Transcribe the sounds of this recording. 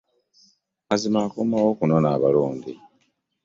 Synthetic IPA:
azimaːkomawokunonaːβaluːndi

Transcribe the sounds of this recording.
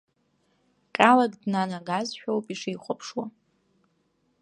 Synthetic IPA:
kʲʼalaɡʼdnanaɡazʃᶣowpʼiʂijχʷapʰʂwa

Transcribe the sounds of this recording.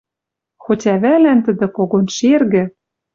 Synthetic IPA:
xotʲæβælænt̪ɘ̆d̪ɘ̆koɣonʃerɣɘ̆

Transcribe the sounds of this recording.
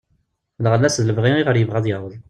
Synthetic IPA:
ləʁəlːæsðələvʁiiʁəɾjəvʁæðˤjəʁəð

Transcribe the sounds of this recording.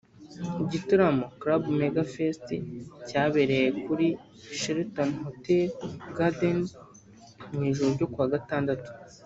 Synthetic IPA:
iɟituɾamo̞kɾabmeɡafesticaːβe̞ɾe̞je̞kuɾi | ʃeɾtonhoteɾɡaden | mŋiːʒoɾoɟo̞kuaːɡataːndatu̥

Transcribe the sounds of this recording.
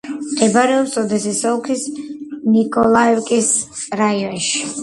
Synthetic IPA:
ɛbaɾɛɔpsɔd̪ɛsisɔlˠkʰisnikʼɔlˠaɛwkʼisɾaiɔnʃi̥

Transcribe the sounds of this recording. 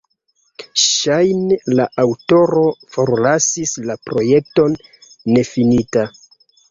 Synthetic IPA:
ʃajnelaʔawto̞ɾo̞fo̞ɾlasislapɾo̞je̞k̚to̞nː | e̞finita

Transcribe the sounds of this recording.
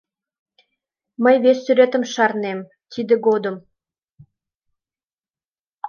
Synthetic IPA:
məjβesːyɾet̪ə̆mʃɑrnem | t̪id̪eɣod̪əm

